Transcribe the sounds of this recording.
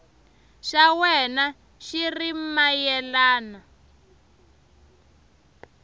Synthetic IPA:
ʃawɛna | ʃirimajɛlaːna

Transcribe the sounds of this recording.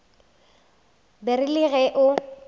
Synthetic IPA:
bɛrɪlɪɣɛʔʊ

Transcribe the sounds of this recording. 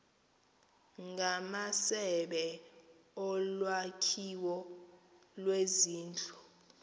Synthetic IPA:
ŋɡʱamasɛɓɛ | ɔlwakʰiwɔ | lweziːnd͡ɮʱʼu̥

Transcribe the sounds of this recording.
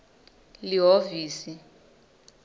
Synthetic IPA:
liɦoviːsi

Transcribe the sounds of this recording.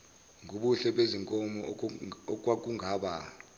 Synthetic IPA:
ŋʱuɓuɬɛɓeziŋkʼɔmɔ̰ | k̬ʼwak̬uŋʱaːɓa

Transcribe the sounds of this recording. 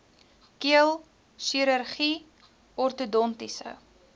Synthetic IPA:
kiəlˠ | ʃiɾərχi | ɔrtudɔntisə̰

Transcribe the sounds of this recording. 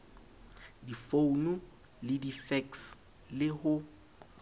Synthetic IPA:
difonu | lɪdifɛks | lɪhʊ

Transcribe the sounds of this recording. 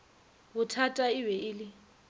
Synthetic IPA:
bʊtʰatʼaɪwɛʔɪlɪ

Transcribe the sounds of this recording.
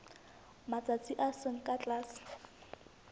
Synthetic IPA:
mat͡sʼat͡sʼiʔasɪŋ̩kʼat͡ɬʼaːsɪ̥

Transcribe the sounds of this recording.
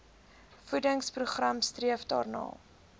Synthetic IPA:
fudəŋspruχramstriəfdɑ̰ːrnɑ̰ː

